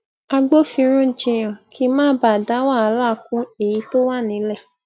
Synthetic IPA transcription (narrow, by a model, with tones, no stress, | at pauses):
a˧ɡ͡bo˦fĩ˧ɾ̃ũ˦˨d͡ʒĩ˧j̃ã˨kʰi˦mãː˦ba˦˨da˨˦wa˦˨a˧˦la˦˨˦kũ˦e˨ji˨˦to˦wa˦˨nĩ˨˦lɛ˦˨